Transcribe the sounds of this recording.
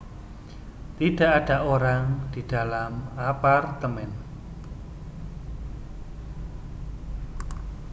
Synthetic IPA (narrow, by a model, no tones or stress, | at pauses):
t̪id̥a̤ʔad̥a̤ʔoɾaŋd̪̥id̥alamapart̪əmɛn